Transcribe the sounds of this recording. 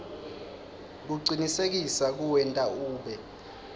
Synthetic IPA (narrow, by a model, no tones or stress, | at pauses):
k̬uǀinisek̬isak̬uwɛntʼauːɓɛ